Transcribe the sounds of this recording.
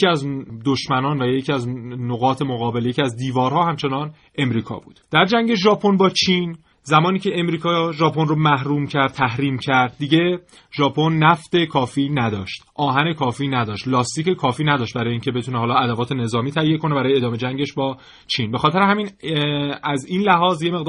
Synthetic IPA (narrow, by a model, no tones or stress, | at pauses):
iæzd̪oʃmænɒːnvæjecʰiæznoɣɒːt̪ʰe̞moɣɒːbe̞ljecʰiæzd̪iːvɒːɾhɒːhæmt͡ʃʰe̞nɒːn | ʔe̞mɾiːkʰɒ̰ːbṵːd̪̥d̪̥æɾd͡ʒæŋɟe̞ʒɒːpʰo̞nbɒːt͡ʃʰin | zæmɒːniːcʰeemɾiːkʰɒːʒɒːpʰo̞nromæhɾuːmcʰæɾd̪̚t̪ʰæhɾiːmcʰæɾd̪̚ːiɟe̞ | ʒɒːpʰo̞nːæft̪e̞kʰɒːfiːnæd̪ɒ̰ːʃt̪ʔɒːɦæne̞kʰɒːfiːnæd̪ɒːʃt̪lɒːst̪icekʰɒːfiːnæd̪ɒːʃt̪̚bæɾɒːjeiːŋcʰe̞be̞t̪ʰuneɦɒːlɒːæd̪ævɒːt̪ʰe̞ne̞zɒːmiːt̪ʰæijːe̞kʰo̞nebæɾɒːjeːd̪ɒːme̞d͡ʒæŋɟeʃbɒː | t͡ʃʰiːnbe̞xɒːt̪ʰeɾehæmin | æzinlæɦɒːzje̞me̞ɣd̪